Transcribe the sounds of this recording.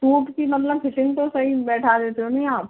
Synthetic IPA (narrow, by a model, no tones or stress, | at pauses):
ʈuːʈkimɐt̪ləbfɪʈɪ̃ŋɡt̪osɐɦibɛːʈʰad̪eːt̪eɦonɐɦĩaːp̚